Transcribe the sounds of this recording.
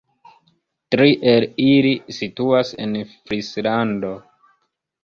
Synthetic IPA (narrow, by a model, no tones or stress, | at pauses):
tɾiʔelilisituasḛnfɾislando̞